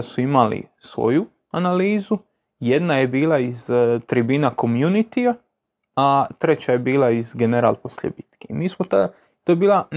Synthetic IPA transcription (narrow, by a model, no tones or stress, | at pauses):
suimalḭsʋo̞̰ju | analiːzu | jed̪naje̞biːlaizt̪ɾibiːnako̞mjunit̪ia | at̪ɾet͡ɕaje̞biːlˠaizɡeneɾa̰lˠposlʲḛbit̪kemiːsmot̪a | t̪ojebiːlˠa